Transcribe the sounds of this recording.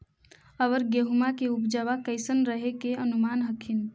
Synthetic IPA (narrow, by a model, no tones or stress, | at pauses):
əʋəɾɡeɦumakeupd͡ʒəʋakəɪsənɾəɦekeənumanɦəkʰin